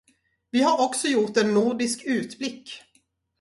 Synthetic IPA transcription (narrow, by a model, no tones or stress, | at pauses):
vɪhaɾɔksɔjʊʈ̪ɛnːʊɖɪskʉ̟ːt̪blɪkː